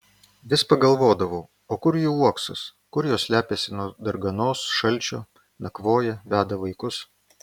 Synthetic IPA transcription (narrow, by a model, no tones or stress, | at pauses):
ʋʲɪspɐɡɐlˠʋoːd̪ɐʋoː | oːkʊɾjuːuɔksɐskʊɾjoːsʲlʲæːpʲeːsʲɪnuɔd̪ɐɾɡɐnoːsʃɐlʲt͡ʃʲo̰ː | nɐkʋoːjɛʋʲæːd̪ɐʋɐɪkʊs